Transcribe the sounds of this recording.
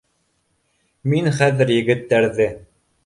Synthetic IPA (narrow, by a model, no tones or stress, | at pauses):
minχæðɘ̆ɾjɘ̆ɡɘ̆t̪ːæɾðɘ